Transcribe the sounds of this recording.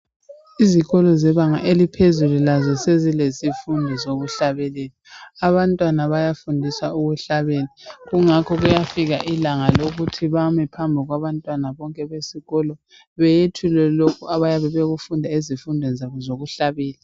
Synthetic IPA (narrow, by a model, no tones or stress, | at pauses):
iziɣɔlɔzɛβaŋaʔelipʰezululazɔsezilesifundʱɔzoɣuɬaβɛlɛːlɛaβantʼwanaβajafundʱisauɣuɬaβeliɣuŋakʰɔɣujafiɣaʔilaŋaloɣutʰiβamɛpʰambʱiɣwaβantʼwanaβɔŋkʼɛβesiɣɔlɔ | βɛjetʰulɛlokʰuaβajaβɛβeɣufundʱaizifundʱɛnzaβɔzoɣuɬaβɛːlɛ